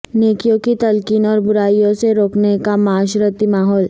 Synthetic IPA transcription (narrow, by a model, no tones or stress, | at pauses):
nekijokit̪əlkiːnɔɾbuɾaijõseɾoknekamaɕɾət̪imaɦɔːl